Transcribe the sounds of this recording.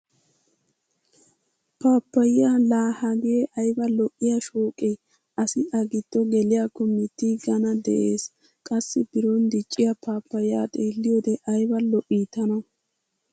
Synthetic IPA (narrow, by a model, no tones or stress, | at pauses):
paːpːɐjɪjaːlaːhɐɡɪjeʔɐjbɐlɔʔːɪjaʃoːkʼej | ʔɐsɪʔɐɡɪd̪̥ːɔɡɛlɪjakːɔmːɪt̪ːiɡɐnɐd̪ɛ̰ʔeːs | kʼɐsːɪbɪɾɔnd̪ɪt͡ʃʼːɪjɐpʰaːpːɐjɪja̰ːt̪ʼeːlːɪjod̪ɛʔɐjbɐlɔʔiːt̪ːɐnɐ